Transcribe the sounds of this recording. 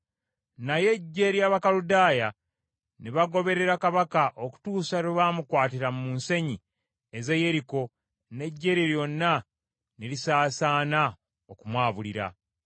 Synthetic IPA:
naje̞ɟːe̞ɾjaβakaludaːja | niβaɡo̞βe̞ɾe̞ɾakaβakaʔo̞ku̥tuːsaɾeβaːmukwaːtiɾammuːnse̞ɲi | eze̞je̞ɾiko̞ | ne̞ɟːe̞ɾeɾjonːa | nilisaːsaːna | okumwaːβuliɾa̰

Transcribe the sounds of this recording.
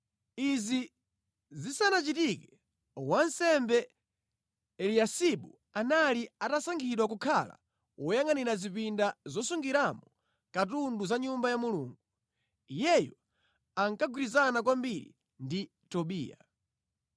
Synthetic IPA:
izi | zisanat͡ʃitikɛ | wansɛmbɛ | ɛliasiɓu | analiatasaŋɡʰiɗwak̬ukʰala̰ | wɔjaŋaniɾazipindazɔsuŋɡiɾamɔ | katunduzaɲumbajamulṵːŋɡu | ijɛjɔ | aŋkaɡwiɾizanak̬wambiɾḭ | ndi | tɔɓḭːja̰

